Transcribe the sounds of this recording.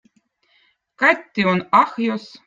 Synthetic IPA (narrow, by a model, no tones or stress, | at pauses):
kɑt̪ʲːionɑxjos